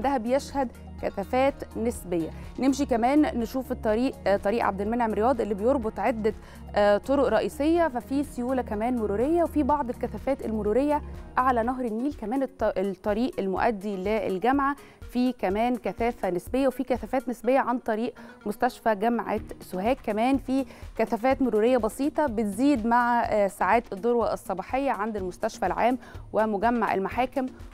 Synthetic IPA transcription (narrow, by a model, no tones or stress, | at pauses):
d̪æhæbejeʃhæd̪ | kæθæfæːt̪nesbejːænemʃikæmæːnːeʃuːfet̪ˤːɑɾiːʔt̪ˤːɑɾiːʔʕa̰b̚d̪elmenʕemɾejɑːd̪ˤʔelːibejoɾˤbot̪ˤʕed̪ːæ | t̪ˤːoɾoʔɾˤɑʔiːsˤejːæfæfiːsejuːlækæmæːnmoɾuːɾejːæwefibɑʕd̪ˤelkæθæfæːt̪elmoɾuːɾejːæʔaʕlænɑɦɾˤenːiːlkæmæːnet̪ˤːɑɾiːʔelmo̰ʔæ̰d̪ːileḛlɡæmʕa | fiːkæmæːnkæθæːfænesbejːæwefiːkæθæfæːt̪nesbejːæʕant̪ˤɑɾiːʔmost̪æʃfæɡæmʕasohæːkːæmæːnfiːkæθæfæːt̪moɾuːɾejːæbɑsiːt̪ˤɑbet̪ziːd̪maʕsaʕaːt̪ed̪ˤːoɾwɑʔesˤːɑbɑːħejːæʕand̪elmost̪æʃfælʕa̰ːmwemoɡæmːaʕḛlmaħaːkɪm